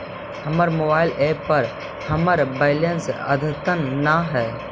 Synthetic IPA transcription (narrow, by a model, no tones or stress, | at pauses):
həməɾmoːbaːɪleːpːəɾ | həməɾbeɪlensə̰d̪ʱət̪ənnaɦɛː